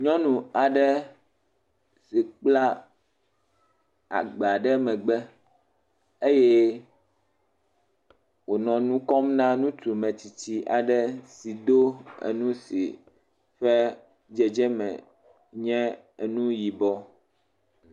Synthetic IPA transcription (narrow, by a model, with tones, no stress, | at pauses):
ɲɔ̃˦nũ˨a˨ɖɛ˦ | si˨k͡pla˦ | a̰˨ɡ͡ba˨ɖɛ˦mɛ̃˨ɡ͡bɛ˦ | e˦je˦ | wo˨nɔ̃˨nũ˦kɔ˦mnã˦nũ˦t̪u˨mɛ̃˨t͡ɕi˨t͡ɕi˦ʔa˨ɖɛ˦si˨d̪o˦ḛ˨nũ˦si˨ | ɸɛ˦ | d͡ʒɛ˨d͡ʒɛ˦mɛ̰̃˨ | ɲɛ̃˦˨ | nũ˦ji˨bɔ˦